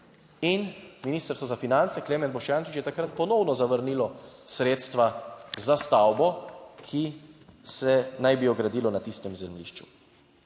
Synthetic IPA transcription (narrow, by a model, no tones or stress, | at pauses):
inminiːst̪əɾst̪ʋɔzafinant̪sɛkleːmɛnbɔʃjaːnt͡ʃit͡ʃjɛt̪akɾat̪̚pɔnɔwnɔzaʋəɾnilɔsɾeːt̪st̪ʋazast̪awbɔkʰisɛnajbiɔɡɾad̪iːlɔnat̪ist̪ɛmzɛmlḭʃt͡ʃṵ